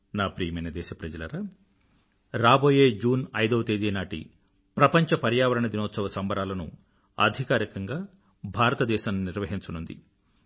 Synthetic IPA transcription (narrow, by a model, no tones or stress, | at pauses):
naːpɾiːjɐmɐjnɐd̪ɛːʃɐpɾɐd͡ʒɐlɐ̰ɾɐ | ɾaːboːjeːd͡ʒuːnɐjd̪ɐʋɐt̪eːd̪iːnaːʈḭ | pɾɐpɐɲt͡ʃɐpɐɾjaːʋɐɾɐɳɐd̪inɔːt̪sɐʋɐsɐmbɐɾaːlɐnṵ | ɐ̰d̪ʱikaːɾikɐŋɡaː | bʱaːɾɐt̪ɐd̪ɛːʃaːnːuniɾʋɐɦiɲt͡ʃɐnund̪ḭ